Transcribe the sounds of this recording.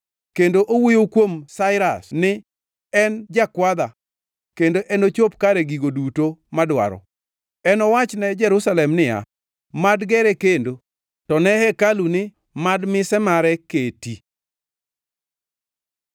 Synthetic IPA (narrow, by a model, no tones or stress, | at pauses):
kendoʔowijokwomsaɪɾasnɪ | ɛnd͡ʒakwad̪a | kendoʔɛnot͡ʃopkaɾɛɡiɡodutomadwa̰ɾɔ̰ | ɛnɔwat͡ʃnɛd͡ʒɛɾusalɛmnɪja̰ | madɡɛɾɛkendo | tɔnɛhɛkalunɪ | madmɪsɛmaɾɛketi